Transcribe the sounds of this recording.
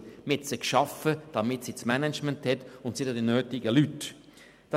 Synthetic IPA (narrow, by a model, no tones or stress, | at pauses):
mɪtsəkʃɑfəd̥ɑmɪtsismɛnɛt͡ʃmɛnthɛtʊntsidədinøːtɪɡəlyt | d̥ɑ